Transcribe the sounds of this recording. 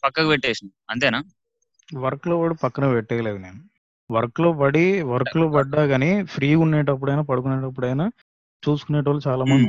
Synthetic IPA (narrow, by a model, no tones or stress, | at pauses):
pɐkːɐkɐʋeʈːeːsind̪iɐnt̪eːnaː | ʋɐɾkloːʋaːɽupɐkːɐnɐʋɛʈːɛːle̞ːd̪une̞ːnu | ʋɐɾkloːpɐɽiʋɐɾklo̞ːpɐɖːaːɡaːneːpʰɾiːunːeːʈ̬ɐp̬ːuɽɐjnaːpɐɽuk̬uneːʈɐp̬ːuɽɐjnaː | t͡ʃuːsu̥kuneːʈɐʋaːlːut͡ʃaːlaːmɐnd̪